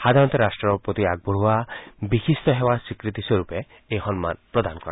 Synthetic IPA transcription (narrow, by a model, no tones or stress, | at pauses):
xad̪ʱaɾɔ̃nt̪ɔɾasʈɾɔpɾot̪iaɡ̚bɔɾɦuabixist̪ɔɦewasikɾit̪iswoɾupeː | ɦɔnma̰npɾɔd̪anɔkɔɾã̰